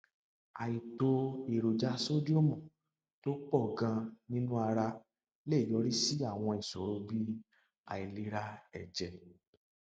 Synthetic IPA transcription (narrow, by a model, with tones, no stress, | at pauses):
a˨i˨to˧e˨ɾo˨d͡ʒa˧˦so˦d͡ʒu˦o˦˨mɔ̃˨ | to˦k͡pɔ˦˨ɡã˧nĩ˦nũ˦a˧ɾa˧ | le˦i˦˨jɔ˨˦ɾi˦si˦a˦˨w̃ɔ̃˧i˨sɔ̰˨ɾo˧bi˦ | a̰˨i˨le˧˦ɾa˧ɛ˨d͡ʒɛ˨